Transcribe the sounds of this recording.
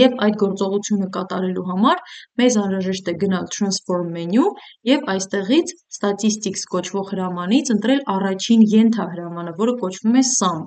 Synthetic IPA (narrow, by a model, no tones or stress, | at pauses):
jɛvɑjd̪̚ɡɔɾt͡sɔʁut͡sʰjunəkɑt̪ɑɾɛluɦɑmɑɾmɛzɑnɾɑʒɛʃt̪ɛɡənɑlt̪ʰɾɑnsfɔɾmːɛnjujɛvɑjst̪ɛʁit͡sʰ | st̪ɑt̪ist̪ikskɔt͡ʃʰvɔʁhəɾɑmɑnit͡sʰənt̪ɾɛlɑrɑt͡ʃʰinjɛnt̪ʰɑɦəɾɑmɑnəvɔɾəkɔt͡ʃʰv̥umɛsɑm